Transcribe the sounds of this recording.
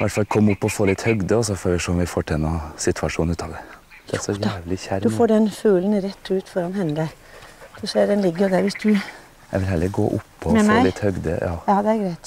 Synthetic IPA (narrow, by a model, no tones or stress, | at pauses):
ʋæʈfɑlkʰɔmːʊpːɔfoːlɪt̪ːhœɡd̪əɔs̬ɔfoːɾʋɪʂoːɔmʋɪfoːʈʰɛnːɔɑsɪt̪ʰʋɑʂuːnʉːt̪ʰɑːʋd̪ɛd̪ɛæʂɔjæːʋlɪçæɾd̪ʉfoːɖɛnfʉːlənɾɛt̪ʰːʉːt̪fɔɾɑnhɛnːəd̪ə | sɔʂeːɖɛnlɪɡːəjʊd̪æɾʋɪsd̪ʉ | jɛ̰ʋɪlɦæɭːəɾɡo̰ːʔʊpʰːɔfoːlɪt̪ːhœɡd̪ə̰jɑːɑːd̪ɛæɾɡɾæɪt̪